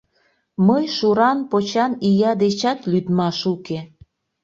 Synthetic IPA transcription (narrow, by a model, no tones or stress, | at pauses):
məjʃuɾɑnpot͡ɕɑnijɑd̪et͡ɕɑt̪lyd̪mɑʃuke